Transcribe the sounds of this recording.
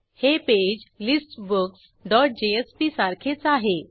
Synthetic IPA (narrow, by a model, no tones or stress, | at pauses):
heped͡ʑlisʈbəks | ɖɔʈ̚d͡ʑeespisaɾkʰet͡saɦe